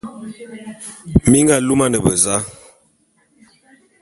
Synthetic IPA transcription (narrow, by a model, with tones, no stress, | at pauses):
mi˦ŋɡa˦˨lu˦ma˦nə˨bə˨za˦